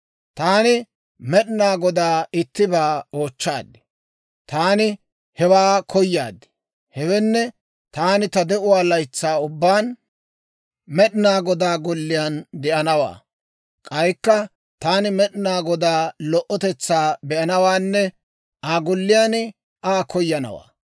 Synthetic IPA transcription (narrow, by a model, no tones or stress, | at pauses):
t̪aːnɪ | mɛɗɪnaːɡɔd̪aːɪt̪ːɪbaːo̞ːt͡ʃːa̰ːd̪ːɪ̥ | t̪aːnɪ | hɛwaːkʰɔjːa̰ːd̪ːɪ̥ | hɛwɛnːɛ | t̪aːnɪt̪ɐd̪ɛʔʊwaːlɐjt͡sːaːʊbːaːn | mɛɗɪnaːɡɔd̪aːɡʊlːɪjaːnd̪ɛʔɐnɐwa̰ː | kʼɐjkːɐ | t̪aːnɪmɛɗɪnaːɡɔd̪aːlɔʔɔt̪ɛt͡sːaːbɛʔɐnɐwaːnːɛ | ʔaːɡɔlːɪjaːn | aːkɔjːɐnɐ̰wa̰ː